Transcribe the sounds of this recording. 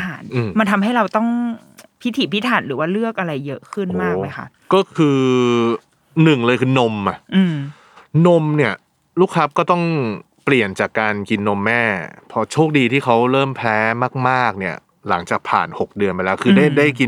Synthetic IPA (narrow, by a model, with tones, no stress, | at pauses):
aː˨˩nʔɯː˧ma˧nt̪ʰa˧mɦa˥˩jɾa˧wt̪ɔ˥˩ŋ | pʰi˦˥t̪ʰiː˩˦˩pʰi˦˥t̪ʰaː˨˩˦nɾɯː˩˦waː˥˩lɯ˥˩ək̚ʔa˧ɾa˧jːɤ˦˥kʰɯ˥˩nmaː˥˧˩kma˦˥jkʰa̰˦˥˩ʔkɔː˥˩kʰɯː˧ | nɯ˨˩ŋlɤː˧jkʰɯː˧no˧ma˨˩ʔɯː˧˩m | no˧˥mni˥˩ɐ | luː˥˩k̚ʰɾa˦˥p̚kɔː˥˩t̪ɔ˥˩ŋ | pli˨˩ənt͡ɕaː˨˩kːaː˧nki˧nːo˧mːɛː˥˩pʰɔ˦˥t͡ɕʰoː˥˩k̚diː˧t̪ʰiː˥˩kʰa˦˥wɾɤː˥˩mpʰɛː˦˥maː˥˩k̚maː˥˩k̚ni˥˩ɐ | la˩˦ŋt͡ɕaː˨˩k̚pʰa̰ː˨˩nho˨˩k̚dɯ˧ənmpa˧lɛː˦˥kʰɯː˧daː˥˩jdaː˥˩jki˧n